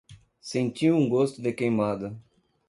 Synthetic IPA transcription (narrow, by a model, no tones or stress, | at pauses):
sẽnt͡ʃ̪iũŋɡost̪ʊd̪ɪkejmad̪ɐ